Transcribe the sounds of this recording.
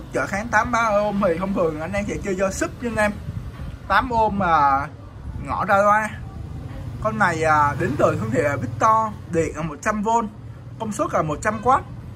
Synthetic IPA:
k̚t͡ɕə̰ː˧˩xaː˨˦ŋt̪aː˨˦mɓaː˧ʔʔo˧mhə˨˩jxə˧wŋ͡mt̪ʰɨ˨˩əŋʔa˧jŋʔɛ˧nsɛ̰˧˥t͡ɕɨ˧əzɔ˧sɨ˦˥k̚ɲɨ˧nʔɛ˧mt̪aː˨˦mʔo˧maː˨˩ | ŋɔ̰˧˩zaː˧lwaː˧ | kɔ˧nːa˨˩jʔaː˨˩ɗi˨˦nzəː˨˩jxə˧ŋ͡mt̪ʰe˧˩˨aː˨˩ɓi˦˥k̚t̪ɔ˧ɗḭ˧˨ənʔəː˨˩mo˨˩t̚t͡ɕa˧mvo˧n | kə˧wŋ͡msu˦˥t̚laː˨˩mo˨˩t̚t͡ɕa˧mkwaː˦˥t̚

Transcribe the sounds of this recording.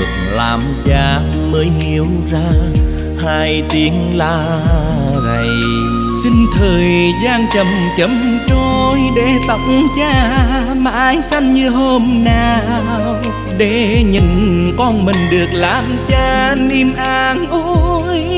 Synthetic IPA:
ək̚laː˨˩mt͡ɕaː˧˩ | məː˨˦jhi˨˧˦əwzaː˧ | haː˧jt̪i˨˦əŋlaː˧ | zə˨˩j | si˧ŋ̟t̪ʰəː˨˩jzaː˧nt͡ɕə˨˩m | t͡ɕə˨˦mt͡ɕo˧jɗe˧˩˦t̪ə˧˦wŋ͡mt͡ɕaː˧ | ma̰ː˧˨˧jsa˧nɲɨ˧ɦo˧mnaː˨˩ | w | ɗe˧˩˦ɲɨ˨˩nkɔ˧nmï˨˩ŋ̟ɗɨ˨˩ək̚laː˨˩mt͡ɕaː˧ni˧mʔaː˧˩nʔu˧j

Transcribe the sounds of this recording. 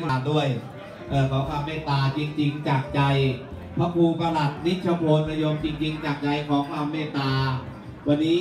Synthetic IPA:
aː˧ndu˥˩əj | ʔɤː˨˩kʰɔː˩˦ŋkʰaː˧mːeː˥˩t̪aː˧t͡ɕi˧ŋt͡ɕi˧ŋt͡ɕaː˨˩k̚t͡ɕa˧j | pʰa˦˥pʰuː˧pa˧la˨˩t̪̚ni˦˥t̪̚t͡ɕʰa˧pʰoː˧npa˧jo˧mt͡ɕi˧ŋt͡ɕi˧ŋt͡ɕaː˨˩k̚t͡ɕa˧jkʰɔː˩˦ŋkʰpʰaː˧mːeː˥˩t̪aː˧ | wa˧nːiː˦˥

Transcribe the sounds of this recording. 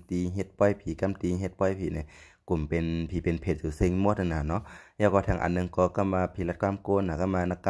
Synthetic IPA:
t̪iː˨˧ɦe˧t̪̚pɔ˧˥˨jpʰiː˨˦ka˧˨mt̪iː˨ɦe˧t̪̚pɔ˧˨jpʰiː˨˦na˧˩˨ | ku˨˩mpe˨npʰiː˨˦pe˨npʰe˧t̪̚juː˧˩se˧ŋmo˧˦t̪̚ɯ˧˨naː˧˩˨nɔ˧˥ʔlɛː˧˩wkɔː˧t̪ʰaː˧˩ŋʔa̰˨nːɯ˧ŋkɔː˧˩ka˧˩maː˧pʰiː˧˦la˧t̪̚kʰwaː˧˥˨mkoː˧˨na˨˩ka˧˥˨maː˧na˧ka˧

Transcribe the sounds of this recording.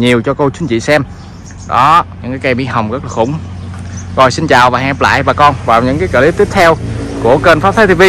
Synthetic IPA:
ɲi˨˩əwt͡ɕɔ˧ko˧wt͡ɕu˨˦nt͡ɕḭ˧˨sɛ˧m | ɗɔ˨˦ɲɨ̰˧˥ŋkaː˨˦jka˧jmɓḭ˧˥hə˨˩wŋ͡mɣə˦˥k̚laː˨˩xʊ̰˧˩ŋ͡m | zɔ˨˩jsi˧nt͡ɕaː˨˩wvaː˨˩ɦa̰˧˦˧pla̰ː˧˨jvaː˨˩kɔ˧nvaː˨˩wɲɨ̰˧˥ŋkaː˨˦kə̰˧˩li˦˥p̚t̪i˦˥p̚t̪ʰɛ˧wku˧˩əkə˧nfaː˦˥p̚t̪ʰaː˨˦t̪ʰi˧vi˧

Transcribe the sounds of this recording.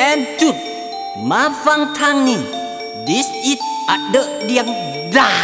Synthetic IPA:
ʔɛ˧nt͡ɕu˨˩t̪̚ | ma˨˧˦fa˧ŋt̪ʰaː˧ŋni˧˩ | di˦si˧˦t̚ʔa˨˧də˧˦ʔdi˧˩əŋ | da˧˩

